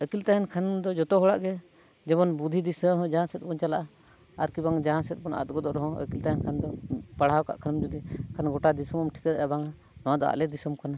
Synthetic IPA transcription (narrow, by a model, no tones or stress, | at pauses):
əkilt̪aɦɛnkʰand̪ɔd͡ʒɔt̪ɔɦɔɽaʔɡɛ | d͡ʒɛbɔnbud̪ʱid̪isə̃ɦɔ̃d͡ʒaɦãsɛt̪̚pɔnt͡ʃalaʔaː | ɾkibaŋd͡ʒaɦãsɛt̪̚bɔna̰t̪̚ɡɔd̪ɔʔɾɔɦɔ̃ə̰kilt̪aɦɛnkʰand̪ɔpaɽ̤aɔka̰ʔkʰanmd͡ʒud̪ikʰanɡɔʈad̪isɔmɔmʈʰi̥kɛd̪aɾabaŋa | nɔwad̪ɔa̰ʔlɛd̪isɔmkana